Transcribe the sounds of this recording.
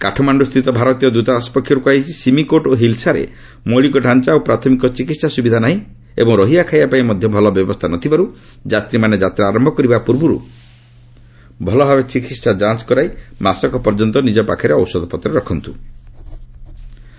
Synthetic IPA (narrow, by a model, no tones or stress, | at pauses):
kaʈʰɔmaɳɖust̪ʰɾit̪ɔbʱaɾɔt̪ijɔd̪ut̪aspɔkʰːjɔɾukuajt͡ʃʰisimikoʈoɦilsaɾḛ | mɔɭikɔɖʱant͡ʃaopɾat̪ʰɔmikɔt͡ʃikit̪sasubid̪ʱanaɦĩ | ḛbɔŋɾɔɦiakʰajbapaĩmɔd̪ʱjɔbʱɔlɔbjɔbɔst̪ʰanɔt̪ʰibaɾu | d͡ʒat̪ɾimaned͡ʒat̪ɾaːɾɔmbʱɔkɔɾibapuɾbuɾṵ | bʱɔlɔbʱabet͡ʃikit̪sad͡ʒant͡ʃkɔɾajmasɔkɔpɔɾd͡ʒɔnt̪ɔnid͡ʒɔpa̰kʰaɾeɔwsɔd̪ʱɔpɔt̪ːɾɔɾɔkʰɔnt̪u